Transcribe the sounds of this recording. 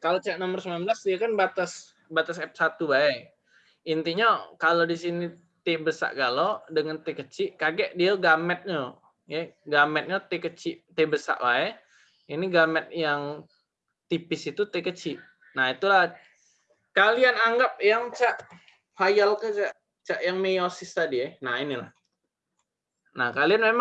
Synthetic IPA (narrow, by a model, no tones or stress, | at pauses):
kalot͡ʃaʔnomərsəmlanblasdiakanbat̪as | bat̪asɛp̚sat̪ubaɛk | int̪iɲakalodisini | t̪ebəsa̰ʔɡalodəŋant̪ekət͡ʃɪʔkaɡɛʔdiaɡamɛt̪̚ɲo | jɛɡamɛt̪̚ɲat̪ekət͡ʃɪʔt̪ebəsa̰ʔbaɛ | iniɡamɛt̪̚jaŋ | t̪ipɪsit̪ut̪ekət͡ʃɪʔ | nait̪ulah | kalianaŋɡap̚jaŋt͡ʃaʔ | fajalkat͡ʃaʔ | t͡ʃaʔjaŋmejosist̪adiɛnainila̰h | nakalianmem